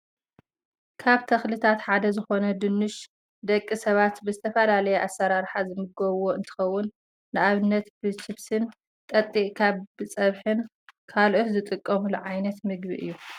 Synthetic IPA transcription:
kʰaβt̪ʰɐxlɨt̪ʰat̪ħad̪ɐzɨxo̞nɐd̪ɨnːɨʃ | d̪ɐkʼːisɐβat̪bɨzɨt̪ʰɐfɐlalɐjɛʔasːɐɾaɾħazɨmɨɡɐβwo̞ɨnt̪ʰɨ̥xɐwːʊnː | ɨʔaβɨnːɐt̪bɨt͡ʃɪβsɨn | t̪ʼɐt̪ʼːiʔkʰaβbɨt͡sʼɐβħɨn | kʰalʔot̪zɨt̪ʼɨkʼːɐmuluʕajnɐt̪mɨɡbiʔɨ̰jːu

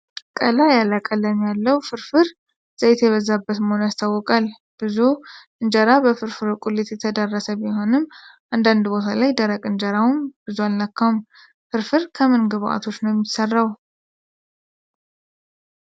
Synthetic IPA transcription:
kʼəlajalakʼələmjalːəwfɨɾfɨɾ | z̥əjt̪jɛβəzːabːət̪məhonjast̪ʰawːɔkʼal | b̥ɨzuʔɨnd͡ʒəɾabəfɨɾfɨɾkʼulːet̪jɛt̪ʰəd̪ərːəsəβjɪɦo̞nɨmʔand̪and̪bo̞t̪ʰalajd̪əɾəkʼɨnd͡ʒəɾawmb̥ɨzualnakːaum | fɨɾfɨɾkʰəmɨnɡɨβʔa̰t̪ʰo̞t͡ʃːnəowjɛmːisərːaw

